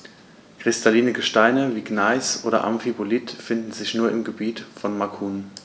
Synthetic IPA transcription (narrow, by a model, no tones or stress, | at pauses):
kʁ̥ɪstʰaliːnəɡəʃtaɪnəviːɡnaɪsʔo̰ːɾɐ̰ʔa̰mfibolitfɪndn̩zɪçnuːɐɪmɡəbiːtfɔnmakʰuːn